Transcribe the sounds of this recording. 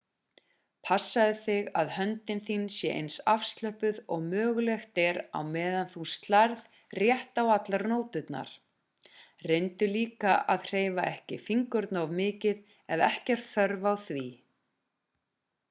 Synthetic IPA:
pʰasːaðɪθɪɣaðhœnt̪ɪnθinsjɛʔḛjnsafst̪lœhpʏðɔɣmœːɣlɛxt̪ɛɾa̰wmɛːðanθust̪laɾð | rjɛht̪awat̪laɾnoːwt̪ʏt̪na̰ɾ̥ | rejnt̪ʏliːkaʔaðr̥eːjvaɛhcɪfiŋkʏɾt̪navmɪːcɪð | ɛðɛhcɛɾ̥t̪θœɾvawθvi

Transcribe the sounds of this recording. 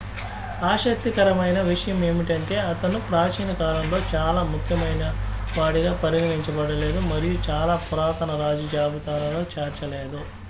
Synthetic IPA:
aːʃɐk̚t̪ikɐɾɐmɐjnɐʋiʂɐjɐme̞ːmiʈɐɳʈe̞ːɐt̪ɐnupɾaːt͡ʃiːnɐkaːlɐmlo̞ːt͡ʃaːlaːmukʰjɐmɐjnɐʋaːɽiɡaːpɐɾiɡɐniɲt͡ʃɐbɐɽɐle̞ːd̪umɐɾijut͡ʃaːlaːpuɾaːt̪ɐnɐɾaːd͡ʒid͡ʒaːbut̪aːlɐloːt͡ʃeːɾt͡ʃɐle̞ːd̪u

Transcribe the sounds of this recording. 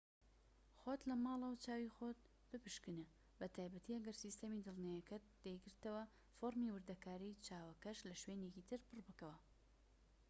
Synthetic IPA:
xot̪lɐmɑːlˠɐwt͡ʃaːwixoːt̪̚ | b̥ɨpɨʃkɨne | bɐt̪ʰaːjbɐt̪ʰiːɐɡɐɾsist̪ɐmid̪ɨlˠnajɐkɐt̪̚d̪̥ejɡɨɾt̪ɐwɐ | foɾmiːwɨɾd̪ɐkaːɾit͡ʃaːwɐkɐʃlɐʃweːnekiːt̪ʰɨɾpɨrbɨkɐwɐ

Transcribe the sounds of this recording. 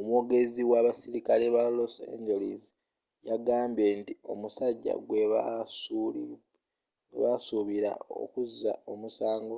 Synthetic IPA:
omwo̞ːɡe̞ziwaβasiɾikaleβalosḛɲd͡ʒeliz | jaɡaːmbje̞ntio̞̰musaɟːa̰ɡweasu | ɡwḛβasuβiɾa̰o̞̰kuzːa̰o̞musaːŋɡo̞

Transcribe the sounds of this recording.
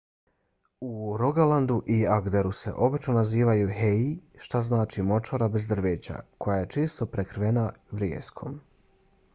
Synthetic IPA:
uɾoɡaland̪uʔiaɡd̪e̞ɾuse̞̰ʔo̞bit͡ʃnonaziːʋajuɦeiʃt̪aznaːt͡ʃimo̞t͡ʃoɾabezd̪r̩ʋeːt͡ɕa̰kʰo̞jaje̞t͡ʃeːst̪o̞pɾekɾʋe̞naʋɾjḛskʰo̞̰m

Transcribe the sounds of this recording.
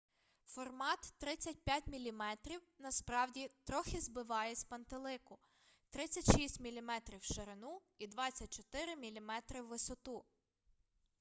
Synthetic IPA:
fɔrmɑt̪ːɾɪt͡sʲːɐt̚ʲpʲjatʲmʲilʲimɛt̪ɾʲiwnɐspɾɑwdʲit̪ɾɔxʲɪzbɪʋɑjɛsʲpɐnt̪elˠɪkʊ | t̪ɾɪt͡sʲːɐtʲʃisʲtʲmʲilʲimɛt̪ɾʲiwʃeɾenu | id̪ʋɑt͡sʲɐt̚ʲt͡ʃɔt̪ɪɾɪmʲilʲimɛt̪ɾɪwːɪsɔt̪u

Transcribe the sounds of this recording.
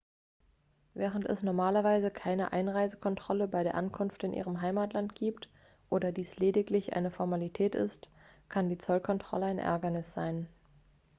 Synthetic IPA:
vɛːʁ̞əntɛ̰snɔɐmaːlɐvaɪzəkʰaɪnəʔa̰ɪnʁaɪzəkʰɔntʁ̥ɔləbaɪɾeːɐʔankʰʊnftɪnʔḭːʁ̞əmɦaɪmaːtlantɡ̥iːpt | ʔoːdɐdiːsleːdɪklɪçʔa̰ɪnəfɔɐmalitʰɛːtɪ̰st | kʰandiːt͡sɔlkʰɔntʁ̥ɔ̰ləaɪnʔɛ̰ɐɡɐnɪsz̥aɪn

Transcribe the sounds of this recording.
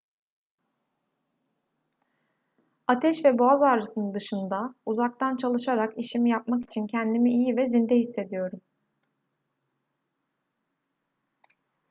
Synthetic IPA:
at̪ʰɛʃvɛboazaɾɾɯsɯnɯnd̪ɯʃɯnd̪auzak̚t̪ant͡ʃʰalˠɯʃaɾakiʃimijap̚maki̥t͡ʃʰincʰɛnd̪imiʔijivɛzind̪ɛhisːe̞d̪ijo̞ɾum

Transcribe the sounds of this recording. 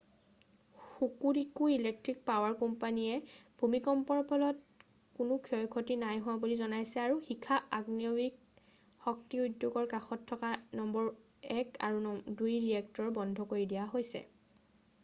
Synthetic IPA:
xukuɾikuilek̚tɹik̚pawaɹkɔmpaniɛb̥ʱumikɔmpɔɹpʰɔlɔt | kunukʰiɔjkʰotinajɦuwabulizɔnajsɛaɹuxikʰaaɡniɔwik̚ | xɔk̚tiudjuɡɔɹkaxɔtʰːɔkanɔmbɔɹ | ɛkʰa̰ɹudujɹiɛk̚tɔɹbɔndʱɔkoɹidijaɦojsɛ̰

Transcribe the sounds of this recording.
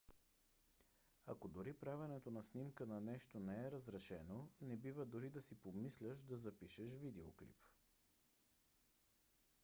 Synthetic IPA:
ɐkod̪ʊɾipɾavʲɛnɛt̪onɐsnimkənɐnɛʃt̪onɛɛɾəzɾɛʃɛnonɛbivəd̪ʊɾid̪ɐsipomislʲəʃd̪ɐzɐpiʃɛʃ̬vid̪ɛoklḭp

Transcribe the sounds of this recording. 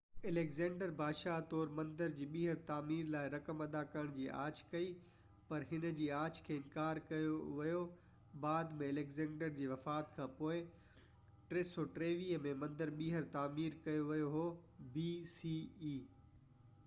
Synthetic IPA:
ɐlekzɛ̃ːɳɖəɾbʱaːʃat̪ɔːɾmɐ̃nd̪əɾd͡ʑiːɓiːɦəɾt̪aːmiːɾlaːɪɾɐkəmɐd̪akɐɾəɽ̃d͡ʑiːʔa̰ːt͡ɕʰkɐi | pɐɾɦɪnəd͡ʑiːaːt͡ɕkʰeːɪ̃nkaːɾkɐjoʋɐjo | baːd̪mẽɐlekzɛ̃ːɳɖəɾd͡ʑiːʋɐfaːt̪kʰãːpoːɪ | ʈɾeːsɔʈɾeːʋiːɦəmẽmɐ̃nd̪əɾɓiːɦəɾt̪aːmiːɾkɐjoʋɐjoɦobiːsiːiː

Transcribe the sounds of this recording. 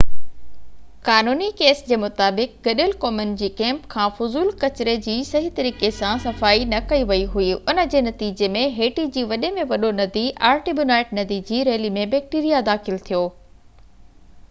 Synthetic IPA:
kaːnuːnikeːsd͡ʑeːmʊt̪aːbɪk̚ɡɐɗɪlkɔːmɪnɪ̆d͡ʑiːkɛ̃ːmpkʰãːfʊzuːlkɐt͡ɕɪɾed͡ʑiːsɐɦit̪ɐɾiːkesãsɐfaːinɐkɐiʋɐiɦuiʊnə̆d͡ʑeːnɐt̪iːd͡ʑemẽɦeːʈid͡ʑiːʋɐɗemẽʋɐɗonɐd̪iʔaːɾʈibjʊnaːɪʈnɐd̪id͡ʑiːɾeːlimẽbɛːk̚ʈiːɾijad̪aːxɪlt̪ʰijoː

